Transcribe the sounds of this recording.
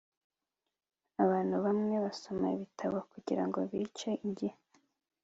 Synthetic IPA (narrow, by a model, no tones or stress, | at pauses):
aβaːn̥huβamŋe̞βaso̞ma̰iβitʰaβokuɟiɾa̰ŋɡo̞̰βiːt͡ʃeiɲɟihe